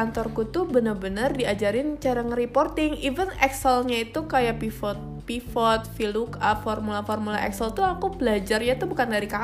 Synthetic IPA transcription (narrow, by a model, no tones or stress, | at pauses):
ant̪ɔrkut̪ubənərbənərdiad͡ʒaɾɪnt͡ʃaɾaŋripɔrt̪ɪŋivənɛksəlɲait̪ukajapifɔt̪̚ | pifɔt̪̚filukafɔrmulafɔrmula̰ʔɛ̰ksəlt̪uakubəlad͡ʒarjat̪ubukandaɾika